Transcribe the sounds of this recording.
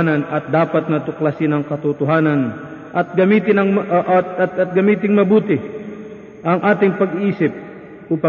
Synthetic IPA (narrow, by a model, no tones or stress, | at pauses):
nɐnɐt̪̚d̪aːpɐt̪̚nɐt̪ʊklasɪnɐŋkɐt̪ʊt̪ʊɦaːnɐn | ʔɐt̪̚ɡɐmiːt̪ɪnɐŋmʔ̪t̪̚ɐt̪̚ɡɐmiːt̪ɪŋmɐbuːt̪ɪ | ʔɐŋʔaːt̪ɪŋpɐɡʔiːsɪp̚ | ʔupa